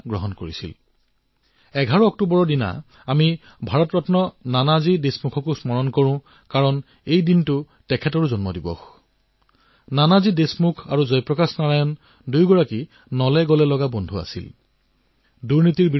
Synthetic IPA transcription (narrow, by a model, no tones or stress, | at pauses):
ɡɹɔɦɔnkoɹisḭl | ɛɡʱaɹuɔk̚tubɔɹɔdina̰ː | mi | bʱaɹɔtɹɔtnɔnanazidesmukʰɔkusmɔɹɔnkɔɹʊ̃ | kaɹɔn | ejdintʊ | tɛkʰɛtɔɹuzɔnmɔdibɔ̰x | nanazidesmukʰa̰ɹuzɔjpɹɔkasnaɹajɔn | dujɡɔɹaki | nɔlɛɡɔlɛlɔɡabɔndʱua̰sḭl | duɹnitiɹbi